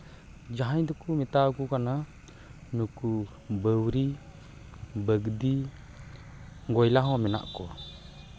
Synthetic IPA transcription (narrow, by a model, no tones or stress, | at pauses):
d͡ʒaɦajd̪ɔkumit̪aɡukana | nuku | bəwɾi | bəɡd̪i | ɡɔjlaɦɔ̃mɛna̰ʔkɔ